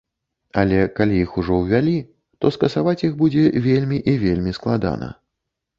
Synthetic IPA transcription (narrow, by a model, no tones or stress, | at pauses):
ɐlʲɛkalʲiixuʐɔwvʲalʲi | t̪ɔskɐsavat͡sʲjixbud͡zʲɛvʲelʲmʲiʔivʲelʲmʲisklˠad̪a̰nɐ̰